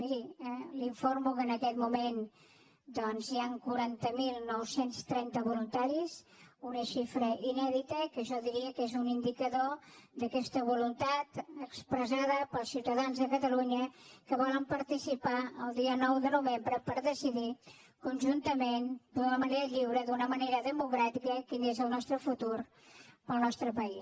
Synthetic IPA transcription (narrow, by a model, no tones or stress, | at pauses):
miɾiliɱformukənəkɛt̪mumen | d̪ɔnziaŋkuɾant̪əmilˠnɔwsenst̪ɾɛnt̪əβulunt̪aɾiz | unəʃifɾəʔinɛðit̪əkəʒɔðiɾiəkezunind̪ikəðod̪əkɛst̪əβulunt̪at̪əkspɾəzaðəpəlˠsiwt̪əðanzðəkət̪əluɲəkəβɔləmpəɾt̪isipaəlˠd̪iənɔwðənuβembɾəpəɾðəsiði | kunʲʒunt̪əmend̪unəməneɾəʎiwɾəðunəməneɾəðəmukɾat̪ikəkinezəlˠnɔst̪ɾəfut̪uɾ | pəlˠnɔst̪ɾəpəis